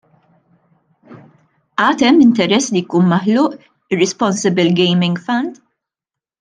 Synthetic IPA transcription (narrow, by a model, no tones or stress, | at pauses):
ʔɐːt̪ɛmːɪnt̪ɛɾɛsːlijkuːnmɐħlʊːʔ | ɪrːɛspɔnsɪbɪlɡɛjmɪŋɡfɐnd̪